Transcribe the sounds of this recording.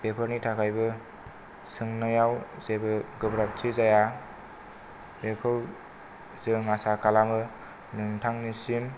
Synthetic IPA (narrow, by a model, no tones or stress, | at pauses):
pepʰʌɾnitʰakʰajbɯ | sɯŋnɯjawzebɯɡɯbɾap̚tʰizaja | ekʰɯw | zɯŋasakalamɯ | nɯŋtʰaŋnisim